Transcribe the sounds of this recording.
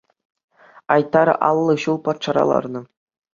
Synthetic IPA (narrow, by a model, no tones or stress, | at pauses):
ɑjt̪ːɑɾʔɑ̰lˠːɤ̆ɕulˠpɑt̪ʂɑɾɑ̰lˠɑ̰rnɤ̆